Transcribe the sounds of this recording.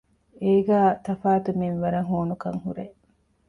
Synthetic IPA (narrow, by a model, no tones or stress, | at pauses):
eːɡaːt̪ɐfaːt̪umenʋɐɾɐŋɦoːnukɐ̰ŋhṵɾeʔ